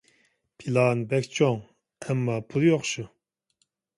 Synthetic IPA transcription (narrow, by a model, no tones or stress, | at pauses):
pʰilˠɑːnbɛkʲt͡ʃʰoŋ | ɛmːɑːpʰulˠjoχʃu